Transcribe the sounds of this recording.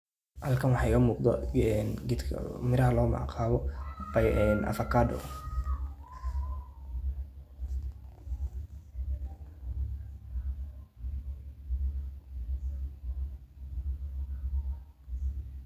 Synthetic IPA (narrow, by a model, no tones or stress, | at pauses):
hɐlkʰɐnwɑħɑɪɣɐmuːqd̪ɔɛnɡɪt̪kʰmɪɾɐɦɐlɔːmɑ̰qʰaːβɔbɐjɛːnʔɐ̰fɐkʰaːdɔ̰